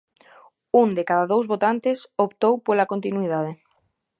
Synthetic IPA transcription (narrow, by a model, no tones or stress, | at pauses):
uŋd̪ekaðaðowzβot̪ant̪ɪsopt̪owpolakont̪inuiðað̞e